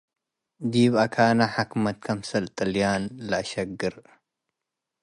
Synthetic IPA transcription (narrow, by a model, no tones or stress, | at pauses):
d̪iβakʰaːnaħakmɐt̪̚kʰɐmsɐlt̪ʼɨljanlɐʔʃɐɡːɨɾ